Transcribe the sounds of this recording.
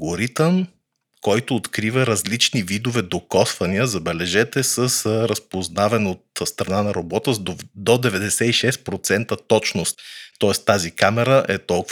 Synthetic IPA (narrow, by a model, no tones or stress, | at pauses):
ɡoɾit̪əm | kɔjt̪ʊːt̪kɾivəɾɐzlit͡ʃnivid̪ovɛd̪okɔsvɐniəzɐbɛlɛʒɛt̪ɛsəsɾəspoznavɛnot̪st̪ɾɐnanɐɾobɔt̪əd̪od̪ɛvɛd̪ɛsɛiʃɛst̪̚pɾot̪sɛnt̪ət̪ɔt͡ʃnost̪ːɔɛst̪ːazikamɛɾəʔɛt̪ɔlˠk